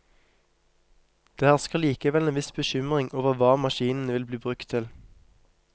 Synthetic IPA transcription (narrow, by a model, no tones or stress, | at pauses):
d̪̥eːhæʁskəʁliːkəʋɛleːnʋɪsbəçʏmʁɪŋʔoːʋəʋɑːmɑʃiːnn̩əʋɪlbliːbʁʉkt̪ʰɪl